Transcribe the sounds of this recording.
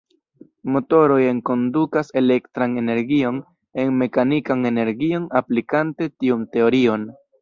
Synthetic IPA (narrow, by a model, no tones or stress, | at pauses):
mo̞to̞ɾo̞je̞ŋko̞ndukase̞le̞ktɾane̞ne̞ɾɡio̞n | e̞nme̞kanikane̞ne̞ɾɡio̞naplikante̞tiumte̞o̞ɾio̞n